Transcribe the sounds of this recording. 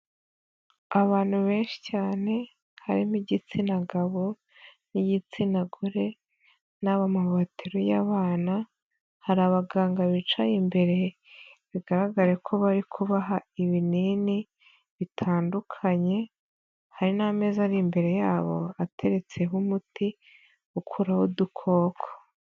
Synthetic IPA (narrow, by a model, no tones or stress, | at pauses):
aβaːn̥huβe̞ːnʃi̥caːne̞ | haɾimiɟit͡sinaɡaβo̞ | nijit͡sinaɡuɾe̞ | naβamaβatʰiɾojaβaːna | haɾaβaɡaːŋɡaβit͡ʃajimbe̞ɾe̞βiɡaɾaɡaɾekʰo̞βaɾikʰuβaɦaiβinini | βitʰaːndukʰaɲe̞ | haɾiname̞ːzaɾimbe̞ɾe̞jaːβo̞̰atʰe̞ɾe̞t͡se̞ɦumuti | ukʰuɾahudukʰo̞ːkʰo̥